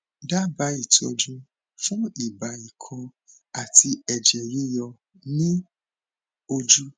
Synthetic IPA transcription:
da˦ba˨˦i˨tɔ˧d͡ʒũ˦ | fũ˦i˨ba˨i˨kʰɔ̃˧ | a˨ti˧ɛ˨d͡ʒɛ˨ɾi˦jɔ˧ | nĩ˦ | o˧d͡ʒu˦

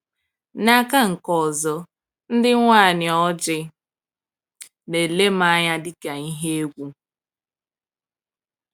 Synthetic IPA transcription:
na˨ka˦ŋ̩˨kɔ˨zɔ˨ | n̩˦dɪ˦ŋʷaː˦˨ɲɪ˨ɔ˦d͡ʒɪ˦ | ne˨le˦ma˦ɲa˦dɪ˦ka˨i˦ɦe˦e˦ɡʷu˦

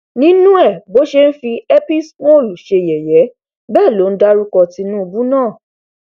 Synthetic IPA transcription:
nĩ˨˦nũ˦ɛ˦˨bo˨˦ʃe˧n̩˦fi˧ɛ˦pi˦sk͡pɔ̃˦o˦˨lu˨ʃe˧˨jɛ˨jɛ˨˦ | bɛː˦˨lo˨˦n̩˦da˦ɾu˦kɔ˧ti˧˦nũ˦u˧bu˦nãː˦˨

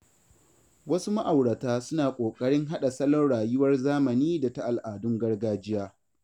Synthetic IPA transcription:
wɐ˦su˦ma˦ʔa˨wɽɐ˨taː˦sʊ˦naː˨kʷʼoː˨kʼɐ˦ɽɪ˦ŋɦa˦ɗa˨sɐ˦lɔ˦rɽaː˨jʊ˦wɐ˦rzaː˦mɐ˨niː˦da˨ta˦ʔa˨lʔaː˨dʊ˦ŋɡɐ˦rɡaː˦d͡ʒɪ˦jaː˦

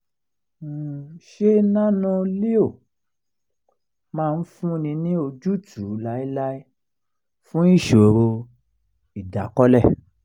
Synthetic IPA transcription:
ʃe˦nã˦nɔ̃˦˧li˦o˦˨ | mãː˦˧n̩˦fũ˦˧˨nĩ˧nĩ˦o˧d͡ʒu˦tʰu˨˦la˧˦i˦la˦i˦ | fũ˦i˦˨ʃo˨ɾo˧ | i˨da˨kɔ˦lɛ˦˨

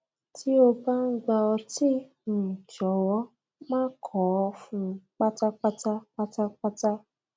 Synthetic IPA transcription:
tʰi˦o˧ba˦ŋ̩˦ɡ͡ba˧ɔ˧ti˦n̩˨t͡ʃɔ˨wɔ˦ | mãː˦kʰɔ˨˦ɔ˧fũ˧k͡pa˦ta˦k͡pa˦ta˦k͡pa˦ta˦k͡pa˦ta˦

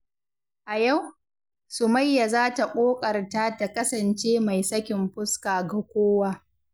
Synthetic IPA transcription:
ʔa˨ja˦˨w | sʊ˨ma˦jːa˨zaː˦ta˨ʔʼoː˦kʼɐ˨rtaː˦ta˨kɐ˦sɐ˨nt͡ʃeː˦ma˨jsɐ˦kʲɪ˨mɸʊ˦skaː˨ɡa˨kʷoː˦waː˦

